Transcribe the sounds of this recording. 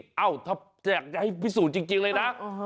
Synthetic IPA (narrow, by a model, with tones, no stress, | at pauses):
ʔa˧˩wt̪ʰa˧˥p̚t͡ɕɛː˨˩k̚t͡ɕa˧ha˥˩pʰi˦˥suː˨˩t͡ɕi˧ŋt͡ɕi˧ŋləː˧jna˦˥